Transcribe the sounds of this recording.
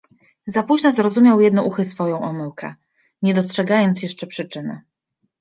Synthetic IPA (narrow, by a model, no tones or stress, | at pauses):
zapuʑnɔzɾɔzumʲjawjɛd̪̚nɔʔuxɘsfɔjɔ̃w̃ʔɔmɘwkɛ̰ | ɲɛd̪ɔstʂɛɡajɔnt̪sjɛʂt͡ʂɛpʂɘt͡ʂɘnɘ̰